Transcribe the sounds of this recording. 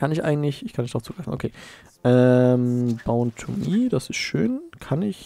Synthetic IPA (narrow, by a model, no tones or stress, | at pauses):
kʰanɪçʔaɪɡŋ̩tlɪçɪçkʰanmɪçd̥ʁaʊft͡suɡʁaɪfn̩ʔo̰kʰeː | ʔɛmb̥aʊəntʰʊmiːd̥asɪstʃø̰ːnkʰanɪç